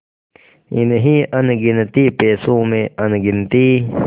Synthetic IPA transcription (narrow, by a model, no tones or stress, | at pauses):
ḭneɦiʔɐnɡint̪iːpeːsũːmeɐnɡint̪i